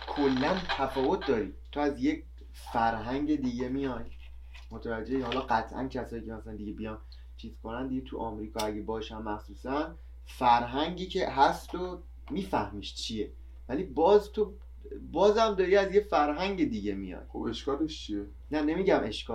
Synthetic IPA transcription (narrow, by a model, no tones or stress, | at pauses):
kʰolːænt̪ʰæfɒːvo̞t̪̚ʰd̪ɒːɾḭt̪ʰoæzjekʰ | fæɾɦæŋɟe̞d̪iɟe̞mijɒj | mot̪ʰævæd͡ʒeehɒːlɒːɢæt̪ʰʔæ̰ncʰæsɒːiːcʰe̞mæsælænd̪iɟebijɒn | t͡ʃʰiːz̥kʰo̞nænd̪iɟet̪ʰuʔɒmɾiːkʰɒæɟebɒːʃænmæxsuːsæn | fæɾɦæŋɟiːcʰeɦæst̪o | miːfæhmiːʃt͡ʃʰije | vælibɒːzt̪ʰo | bɒːzæmd̪ɒːɾiːæzjefæɾɦæŋɟe̞d̪iɟemḭjɒ̰jobeʃkɒːleʃt͡ʃʰie | næne̞miɟæmʔe̞ʃkɒː